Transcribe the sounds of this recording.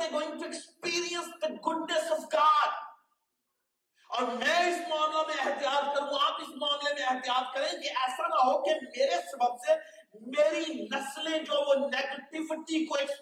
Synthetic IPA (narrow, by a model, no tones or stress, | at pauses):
eɡoːɪ̃ŋɡ̚ʈuekspiːɾiə̃nsd̪ɐɡʊɖnesɔfɡaːɖ | ɔːɾmɛ̃ːɪsmaːnemẽɐɦt̪ijaːt̪kɐɾũaːpɪsmaːnlemẽɐɦt̪ijaːt̪̚kɐɾẽkiʔɛːsãnaɦokɪmeːɾesɐbəbse | meːɾinɐslẽd͡ʒoːʋoneːɡəʈɪʋɪʈikoeks